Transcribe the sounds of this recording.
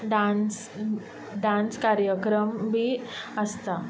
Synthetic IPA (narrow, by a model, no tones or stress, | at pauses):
ɖans | ɖãnskaɾjəkɾəmbʱiəst̪a